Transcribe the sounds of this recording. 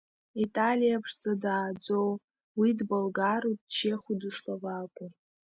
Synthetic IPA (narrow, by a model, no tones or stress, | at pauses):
itʼalijapʰʂzadaːd͡zow | widbolɡaɾutʼt͡ʃʰeχʷuduʂlavakʷʼu